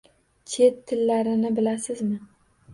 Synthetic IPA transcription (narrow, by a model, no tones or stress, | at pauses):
t͡ʃʰe̞t̪ʰːɪlːaɾɪnɪbɪlasɪzmɪ